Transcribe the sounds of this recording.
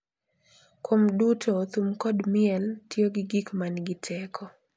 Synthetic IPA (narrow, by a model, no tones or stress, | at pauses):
kʰwomdutot̪umkɔdmɪɛltjoɡɪɡikmanɡɪtʰɛkʰɔ